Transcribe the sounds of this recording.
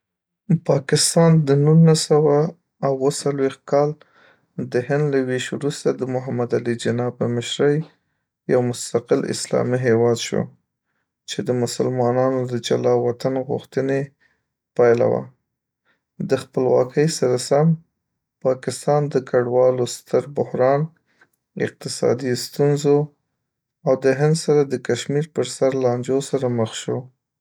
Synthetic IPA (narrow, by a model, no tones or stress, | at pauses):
pɑkɪst̪ɑnd̪ənunasawaː | wːəsalwext̪̚kɑl | d̪əɦɪnd̪laweʃwɾust̪ad̪əmʊɦamad̪alid͡ʒɪnɑpəmɪʃɾəj | jawmʊst̪aqɪlɪ̰slɑ̰miɦewɑd̪ʃo̰ | t͡ʃed̪əmʊsəlmɑnɑnod̪əd͡ʒalɑwat̪anɣʊ̰xt̪əne | pajla̰wa̰ | d̪əxpəlwɑ̰kəjsaɾasam | pɑkɪst̪ɑnd̪əkaɖwɑlost̪əɾbʊhɾɑn | ɪ̰q̚t̪ɪsɑ̰d̪ist̪unzo | awd̪əɦɪnd̪saɾad̪əkaʃmiɾpəɾsaɾlɑnd͡ʒosaɾaməxʃo